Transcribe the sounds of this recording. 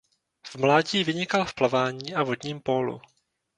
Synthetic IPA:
vmlaːɟiːvɪɲɪkalfplavaːɲiːʔavod̪ɲiːmpoːlṵ

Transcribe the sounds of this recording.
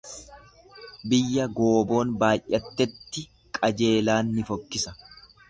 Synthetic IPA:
bɪjːɐɡo̞ːbo̞ːnbaːjʔʔɛt̪ːɛt̪ːɪ | kʼɐd͡ʒe̞ːlaːnːɪfɔkːɪsɐ

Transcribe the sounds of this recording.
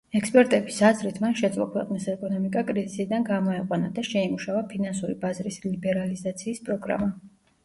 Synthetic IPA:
ɛkspʼɛɾt̪ʼɛbisazɾit̪ʰmanʃɛd̪zʼlˠɔ̰kʰwɛ̰qʼnisɛkʼɔnɔmikʼakʼɾizisid̪anɡamɔɛqʼwanad̪aʃɛimuʃavapʰinansuɾibazɾislibɛɾalizat̪sʰiːspʼɾɔɡɾa̰ma

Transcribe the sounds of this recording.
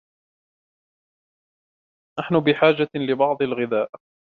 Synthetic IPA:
naħnʊbɪħaːd͡ʒalɪbɑʕd̪ˤɪlɣɪðaːʔ

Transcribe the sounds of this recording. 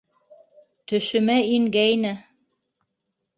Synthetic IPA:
t̪ɵ̆ʃɵ̆mæiŋɡæjnɘ

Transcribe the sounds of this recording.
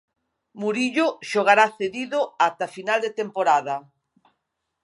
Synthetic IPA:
muɾiʎʊʃoɣaɾaθeðiðʊat̪afinald̪et̪empoɾaðɐ

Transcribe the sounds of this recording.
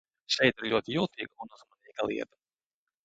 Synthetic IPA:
ʃɛjt̪ɪɾlʲuɔt̪ʲijulˠt̪iːɡunuzmanʲiːkalˠḭɛt̪ə̥

